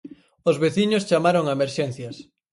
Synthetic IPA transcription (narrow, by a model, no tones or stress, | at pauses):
ʊzβeθiɲʊst͡ʃamaɾoŋaemeɾʃɛn̟θjɐs